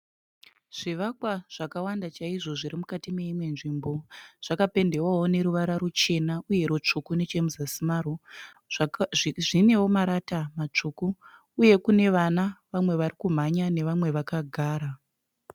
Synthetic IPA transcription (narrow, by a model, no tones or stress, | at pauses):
ʐ̥iʋakwaʐ̥akawandat͡ʃaiʐo̞ʐiɾimukatime̞imwe̞nʐimbo̞ʐ̥akape̞nde̞waone̞ɾuʋaɾaɾot͡ʃe̞nauje̞ɾot͡ʂukune̞t͡ʃe̞muzasimaːro | ʐine̞womaɾatamat͡ʂukuː | je̞kune̞ʋanaʋamwe̞ʋaɾikum̤aɲane̞ʋamwe̞ʋakaɡʱaːɾa